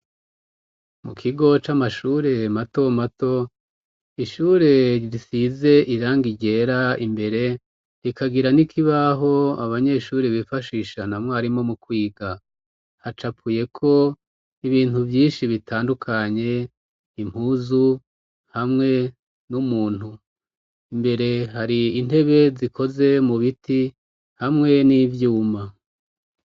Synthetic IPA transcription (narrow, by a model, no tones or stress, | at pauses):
mṵkʰiɡo̞t͡ʃamaʃuɾe̞mato̞mato̞ | iʃuːɾe̞ɾisize̞ʔiɾaːŋɡiɟe̞ɾaimbe̞ɾe̞ | ɾikʰaɡiɾanikʰiβaɦo̞aβaɲe̞ʃuːɾeβifaʃiʃanamŋoaɾimo̞mukwiːɡa | hat͡ʃapuːje̞kʰo̞ | iβiːnuvjiːnʃiβitaːndukʰaɲe̞ | im̥huːzu | hamŋe̞ | numuːn̥hu | imbe̞ɾe̞ɦaɾiine̞βe̞zikʰo̞ze̞muβiti | hamŋe̞nivjuːma